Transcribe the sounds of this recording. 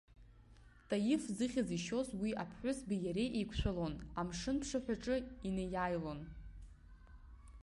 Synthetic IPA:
tʼajɪfzɨχʲaziʃo̞zwiapʰħʷʊsbijaɾe̞jʔejkʷʰʃʷᶣalo̞namʂɨnpʰʂaħʷᶣaʈ͡ʂʼɨinejajlo̞n

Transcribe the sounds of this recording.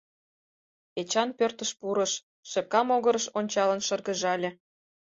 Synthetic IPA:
et͡ɕɑnpørt̪ə̆ʃpuɾə̆ʃ | ʃĕp̚kɑmoɣɤɾə̆ʃonʲt͡ɕɑlə̆nʃɤ̆rɣə̆ʒɑlʲĕ

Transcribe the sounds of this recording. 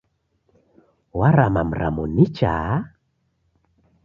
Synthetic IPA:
waɾamam̩ɾa̰munit͡ʃa̰

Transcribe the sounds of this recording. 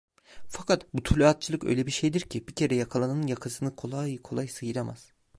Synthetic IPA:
fakʰat̪but̪ʰulʲuat̪̚t͡ʃʰɯlˠɯkø̰jlʲebiɾʃejd̪iɾcʰibicʰe̞ɾɛjakʰalˠanɯnɯnjakʰɯsɯnɯkʰo̞lˠajkʰo̞lˠajsɯjɯɾama̰z̥

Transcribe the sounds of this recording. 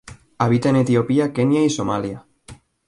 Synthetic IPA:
aβ̞it̪aenet̪iopiakenjaisomalja

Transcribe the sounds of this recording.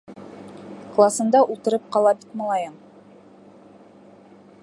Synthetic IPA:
klˠasɤ̆nd̪ɑʔulˠt̪ɤ̆ɾɤp̚qɑlˠɑbit̪mɑ̆lˠɑjɤm

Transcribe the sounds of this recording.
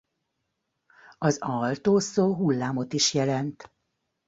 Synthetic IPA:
ɒzɒlt̪oːsoːɦulːaːmo̞t̪iʃjɛlɛnt̪

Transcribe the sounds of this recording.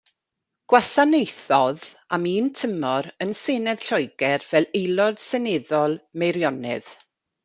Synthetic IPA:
ɡ̥wasanejθɔðamiːntʰəmɔɾənsenɛð̥ɬɔjɡɛrvɛlˠejlˠɔd̥sɛnɪðɔlˠmejɾjɔnɨ̰ð̥

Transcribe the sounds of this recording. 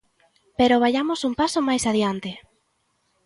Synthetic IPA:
peɾoβ̞aʎamosumpasomajsaðjant̪ɪ

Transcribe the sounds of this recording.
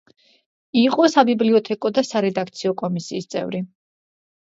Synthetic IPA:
iqʼɔsabibliɔt̪ʰɛkʼɔd̪asaɾɛd̪akʰt̪sʰiɔkʼɔmisiːst̪sʼɛ̰vɾi

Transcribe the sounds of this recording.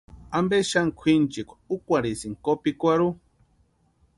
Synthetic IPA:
ambeʃaŋkʷʰint͡ʃikʷʰḁukʷaɾisiŋkopikʷaɾu

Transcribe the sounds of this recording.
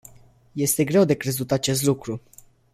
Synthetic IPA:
je̞st̪e̞ɡɾe̞wd̪e̞kɾe̞zut̪at͡ʃe̞st̪lukɾu

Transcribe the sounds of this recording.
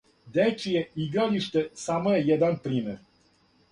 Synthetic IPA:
d̪et͡ʃijeiɡɾaliʃt̪e̞saːmoje̞jed̪anpɾiːmeɾ

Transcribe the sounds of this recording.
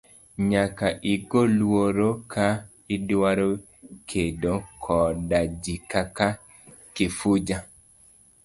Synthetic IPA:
ɲakaʔiɡolwoɾokʰa | idwaɾo | kʰedokʰɔdad͡ʒikaka | kɪfud͡ʒa

